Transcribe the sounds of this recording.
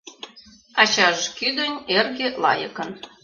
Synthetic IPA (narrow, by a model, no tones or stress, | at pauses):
ɑt͡ɕɑʒkyd̪ənʲerɣelɑ̰jə̆kɤn